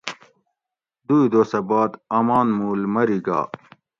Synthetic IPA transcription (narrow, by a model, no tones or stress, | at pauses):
d̪uid̪oːsɐbaːd̪ɐmaːnmuːlmɐɾiɡa̰ː